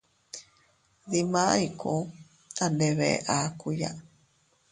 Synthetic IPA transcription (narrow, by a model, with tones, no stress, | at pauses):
ði˧mã˦i˧kʰo˧ | a˨nde˧βḛ˨ʔa˨ku˧ja̰˦